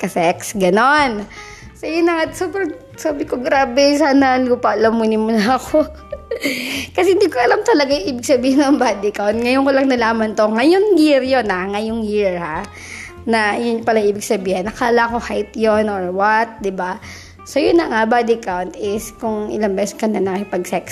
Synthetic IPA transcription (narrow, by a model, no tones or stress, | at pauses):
kɐsɛksɡɐno̞n | sojʊnlɐŋasoːbɾɐŋ | saːbɪkoɡɾaːbɛsaːnɐluːpɐʔɐlɐmːʊnɪmʊlɐɐko | kɐsɛhɪnd̪iːkoʔɐlamt̪ɐlɐɡajʊʔiːbɪɡsɐbiːhɪnɐŋbaːd̪ɪkawnt̪̚ŋɐjonkolɐŋnɐlaːmɐnt̪o̞ŋɐjoŋjiɹjo̞nhaŋɐjoŋjiɹha | nɐjʊnɲpɐlaʔiːbɪɡ̚sɐbiːhɪnːɐkaːlaʔko̞hajt̪jonʔoɹwat̪̚d̪ɪba | sojʊnːɐŋabad̪ɪkawnt̪ʔɪskʊŋɪ̰laŋbɛsɛkɐnɐnɐkɪpɐɡsɛks